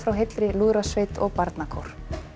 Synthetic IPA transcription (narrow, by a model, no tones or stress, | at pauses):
fɾawɦet̪lɾɪluðɾasvejt̪ɔ̰ɣpaɾt̪nakʰɔwɾ̥